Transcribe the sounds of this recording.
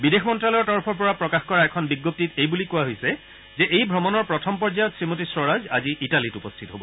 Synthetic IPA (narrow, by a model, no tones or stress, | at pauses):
bidexʰmɔntɹalɔɹtɔɹpʰɔɹpɔɹapɹɔkaxkɔɹaɛkʰɔnbiɡːop̚titejbulikuaɦojsɛ | zɛʔejbʱɔmɔnɔɹpɹɔtʰɔmpɔɹd͡ʒajɔtsɹimotisɹɔɹazaziʔitalitupɔstʰitɔɦobɔ